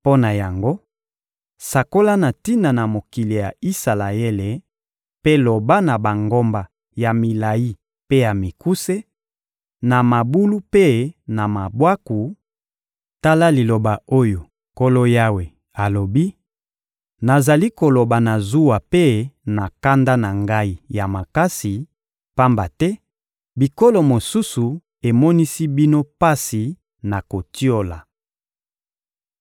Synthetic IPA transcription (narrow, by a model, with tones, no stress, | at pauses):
po˦na˨ja˨ŋɡo˦ | sa˨ko˦la˦na˨ti˦na˨na˨mo˨ki˨li˨ja˨i˦sa˨la˨e˦le˨ | pe˦lo˨ba˦na˨ba˨ŋɡo˦mba˨ | ja˨mi˨la˨ji˦ | pe˦ja˨mi˨ku˦se˦ | na˨ma˨bu˦lu˦pe˦na˨ma˨bwa˦ku˨ | ta˦la˦li˨lo˨ba˨o˦jo˨ | ko˦lo˦ja˦we˨ | a˨lo˨bi˦ | na˨za˨li˦ko˨lo˨ba˨na˨zu˦wa˨pe˦na˨ka˦nda˦na˨ŋɡa˦i˦ja˨ma˨ka˦si˨ | pa˦mba˨tɛ˦ | bi˨ko˦lo˨mo˨su˦su˨ | e˨mɔ˦ni˦si˦bi˦no˦pa˦si˨ | na˨ko˨ti˦o˦la̰˨